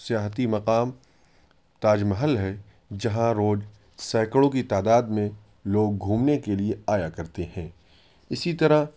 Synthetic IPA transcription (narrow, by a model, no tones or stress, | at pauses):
sijaːɦt̪imɐqaːm | t̪aːd͡ʒməɦəlɦɛ | d͡ʒɐɦãɾoːd͡ʒ | sɛːkəɽõkit̪aːd̪aːd̪mẽ | loːɡ̚ɡʱuːmnekelieaːjakɐɾt̪eɦɛ̃ː | ɪsit̪ɐɾə